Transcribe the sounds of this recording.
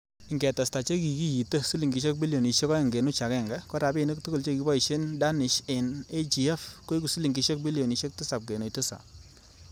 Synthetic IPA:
ɪ˨ŋɡɛ˨ta˨sta˨t͡ʃe˦ki˨ki˦ji˨tə˦si˦li˨ŋɡi˨ʃe˦k̚bi˦ljo˨ni˨ʃe˦kɔ˦ɪ˨ŋɡe˨nu˦t͡ʃa˨kɛ˦˨ŋɡɛ˦kɔ˦ɾa˨bɪ˦˨ni˦ktu˦kʊ˦lt͡ʃe˦ki˨bɔ˦i˨ʃe˦nda˦nɪ˨ʃe˨ne˦d͡ʒi˨ɛ˦fko˦i˦ku˨si˦li˨ŋɡi˨˦ʃe˦k̚bi˦li˨o˨ni˨˦ʃe˦k̚tɪ˦sa˨p̚ɡe˨no˨jtɪ˦sa̰˨

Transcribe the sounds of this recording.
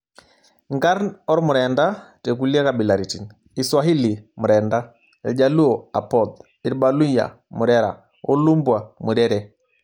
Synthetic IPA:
ŋɡa˦ɾnɔ˦ɾmʊ˨ɾɛ˨nda˦tɛ˨k̬u˨la˦ka˨bi˨la˨ɾi˨ti˨n | i˨swa˨ɦi˦li˨mʊ˨ɾɛ˨nda˦ | ɛ̰˨d͡ʒa˨lu˦ɔ˨a̰˨pɔ˨d | i˨ɾba˨lu˦ja̰˨mu˨ɾɛ˦ɾa̰˨ | ɔ˦lu˦mbwa˨mu˨ɾɛ˦ɾɛ˦

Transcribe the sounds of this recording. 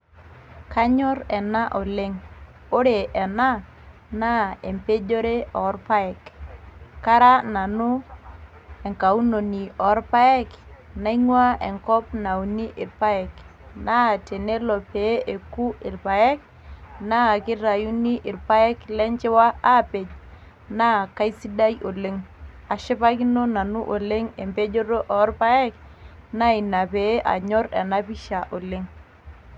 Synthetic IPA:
ka˦ɲɔ˦ɾɛ˨na˦ʔɔ˨le˦ŋ | o˦ɾe˨ʔɛ˨na˦ | na˦˨e˨mpe˦d͡ʒo˦ɾe˦ɔ˨˦ɾpa˦ɛ˨k | ka˦ɾa˦na˨nʊ˦ | e˨ŋka˨u˦no˨ni˨ɔ˨˦ɾpa˦ɛ˦kna˦i˦ŋwa˦ɛ˨ŋkɔ˦pna˨u˨ni˦ʔɪ˨ɾpa˦ɛ˨kna˦˨te˨ne˦lɔ˨pe˨˦ʔe˨ku˦ɪ˨lpa˨ɛ˦k̚ | na˦˨kɪ˦ɾa˨ju˦ni˦ʔɪ˨rpa˦ɛ˦klɛ˦ɲt͡ʃɛ˦wa˦a˦pe˨d͡ʒ | na˦˨ka˦i˦si˦da˦jo˨le˦ŋ | a˨ʃɪ˦pa˦ki˦no˦na˨nu˦ʔo˨le˦ŋe˨mpe˦d͡ʒo˦ɾo˦ʔɔ˨˦rpa˦ɛ˦k | na˦i˨na˨pe˨˦ʔa̰˨ɲɔ˦ɾɛ˨na˦pi˦ʃa˨ʔo˨le˦ŋ

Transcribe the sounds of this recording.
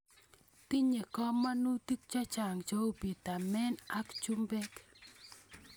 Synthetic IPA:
ti˦ɲe˨kɔ˦ma˦nu˦ti˦k̚t͡ʃa˦t͡ʃa˨ŋt͡ʃo˦o˦pi˨t̪a˨mɛ˦na˦kt͡ʃu˦mbɛ˦k

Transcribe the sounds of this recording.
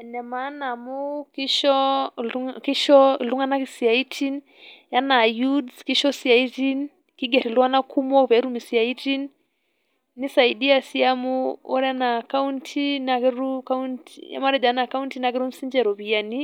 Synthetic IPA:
ɛnɛ˨ma˦na˨mu˦ki˦ʃɔ˦ | ki˦ʃɔ˦˨lu˦ŋa˦na˦ki˨si˨a˨i˦tʰi˦n | ja˦na˨ju˦dski˦ʃɔ˦si˨a˨i˦ti˦n | ki˦ɡɛ˨ɾi˨lwa˦na˦kʰu˦mɔ˦pɛ˨˦ɾu˦mi˨si˨a˨i˦ti˦n | nːi˦sa˨i˨di˦a˨si˦a˦mu˦ɔ˦ɾɛana˨ka˦u˦ntʰi˦nakɛ˦ɾuka˦untija̰˦ma˦ɾɛ˨d͡ʒa˨˦na˨ka˦u˦nti˦na˦ɡɛ˦ɾu˦m̩si˦ɲd͡ʒɛ˨ɾɔ˨βi˨a˦ni˦

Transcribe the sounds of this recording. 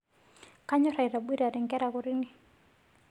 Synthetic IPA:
ka˦ɲɔ˦ɾa˨i˨ɾa˨bwi˦ɾa˨ɾɛ˨ŋɡɛ˦ɾa˨kɔ˨ɾi˦ni˦

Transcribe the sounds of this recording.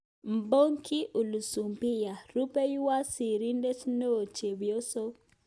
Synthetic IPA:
m˨bo˦ŋkʰɪ˦ʔu˨lu˨su˨mpɪ˦ja˨ɾu˦pe˦jwa˦si˨ɾi˦nde˦snoː˦˨t͡ʃe˨wjo˦so˦

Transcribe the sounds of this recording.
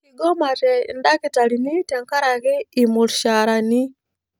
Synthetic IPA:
iɡɔ˦ma˨tɛ̰˨nda˦ki˨ta˨lini˦tɛŋka˦ɾa˨ɣɛ˦imulʃaɾa˨ni˦

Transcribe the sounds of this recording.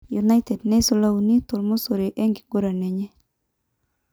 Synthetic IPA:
ju˨na˦jte˨dnɛ˦so˨la˦u˨ni˦t̪o˨lmo˦so˨ɾe˨ʔe˦ŋɡi˨ɡ̥o˦ɾa˨nɛ˨ɲe˦

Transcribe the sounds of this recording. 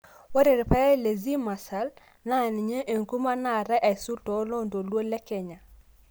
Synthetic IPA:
wa˦ɾe˨ɾpa˦ja˦le˨zi˦ma˨sa˦l | na˦˨ni˨ɲe˦ʔe˨ŋku˦ma˦na˨ɾa˦ʔa˨jsu˦tɔ˨˦lo˦ndo˨lwo˦lɛ˦kɛ˨ɲa˨

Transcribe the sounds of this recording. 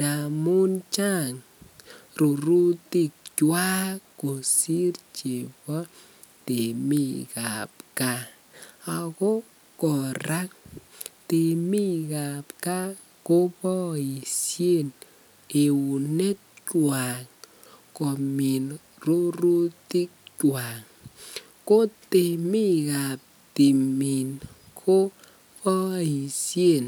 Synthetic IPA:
d̥a˨mu˦nt͡ʃa˦ŋ | ru˨ɾu˦ti˦˨k̚t͡ʃwa˦ko˨si˦rt͡ʃe˨bɔ˦ | te˨mi˦ka̰˨p̚ka˦ | a˨kɔ˦ | kɔ˨ɾa˦k̚te˨mi˦ka˨pka˦ | ko˦pɔ˦i˨sje˦˨n | e˨u˨ne˦t̚t͡ʃwa˨ŋ | kɔ˨mi˨n | ro˦ru˦ti˦k̚t͡ʃwa˨ŋ | ko˦te˨mi˦ka˨p̚ | ti˨mi˨n | kʰo˦ | pɔ˦i˨sje˦˨n

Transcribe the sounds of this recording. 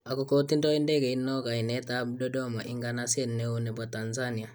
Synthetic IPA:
a˨ko˦ko˦t̪i˦ndo˦i˦ndɛ˦ɡe˨inːo˦ɡa˨i˨nɛ˦ta˦bdɔ˦do˦ma˨ʔi˦ŋɡanase˦nːe˦unɛ˨ba˨ta˨nzani˨a˨

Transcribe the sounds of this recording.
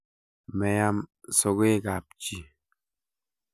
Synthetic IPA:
mɛ˨ja˦mso˨ɣe˦ɡa˨p̚t͡ʃi˦

